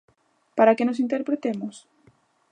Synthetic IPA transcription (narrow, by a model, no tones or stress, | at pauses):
paɾakenosint̪eɾpɾet̪emʊs